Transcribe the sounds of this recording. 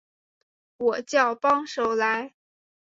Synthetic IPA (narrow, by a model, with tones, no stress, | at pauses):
wɔ˨˩t͡ɕjɑ˥˩ʊpɑ˥ŋʂo˨˧˩ʊla˧˥ɪ